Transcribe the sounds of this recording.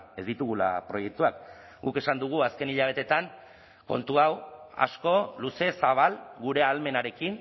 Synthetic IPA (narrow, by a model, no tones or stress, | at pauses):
e̞zd̪it̪uɣ̞ula̰pɾo̞je̞k̚t̪uak | ɡuke̞sand̪uɣ̞uaske̞niʎaβ̞e̞t̪e̞t̪aŋ | ko̞̰nt̪uawa̰sko̞luse̞saβ̞alɡuɾe̞alme̞naɾe̞kin